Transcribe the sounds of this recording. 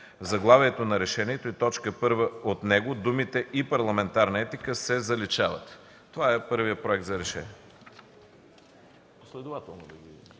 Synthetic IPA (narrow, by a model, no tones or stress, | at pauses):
vzɐɡlˠavʲɛɛt̪onɐɾɛʃɛniɛt̪oit̪ɔt͡ʃkəpɤɾvəot̪nɛɡod̪umit̪ɛʔipɐɾlˠɐmɛnt̪aɾnəɛt̪ikəsɛzɐlit͡ʃavə̰t̪ː | ovaɛpɤɾvijəpɾoɛk̚t̪zɐɾɛʃɛ̰niɛ | slɛd̪ovat̪ɛlˠnod̪ɐɡi